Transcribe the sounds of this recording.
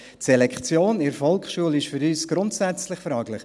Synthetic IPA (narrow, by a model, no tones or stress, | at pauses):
tsɛlɛkχt͡sjoːnɪɾfɔlˠkχʃuəlɪʃfʏɾyːsɡ̥ɾʊntsæt͡slɪχfɾɑːɡlɪχ